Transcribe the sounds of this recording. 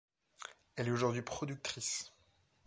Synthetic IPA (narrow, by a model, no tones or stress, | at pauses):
ɛlɛoʒuʁd̪ɥipχɔd̪yk̚t̪χis